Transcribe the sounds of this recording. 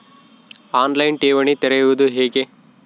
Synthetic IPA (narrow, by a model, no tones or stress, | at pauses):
aːnlɐjnʈeːʋɐɳit̪ɛɾɐjuʋud̪uɦeːke